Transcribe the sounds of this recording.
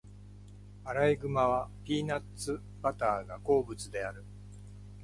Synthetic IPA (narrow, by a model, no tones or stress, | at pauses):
aɾaiɡɯ̟maβ̞apʲiːnatt͡sːɨ | b̥at̪aːɡako̞ːbɯ̟t͡sɨd̪e̞aɾɯ̟